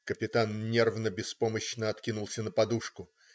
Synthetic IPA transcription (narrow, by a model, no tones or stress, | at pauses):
kəpʲɪt̪anːʲervnəbʲɪspo̞məɕnəɐt̪kʲinʊlˠsʲənəpɐd̪uʂkʊ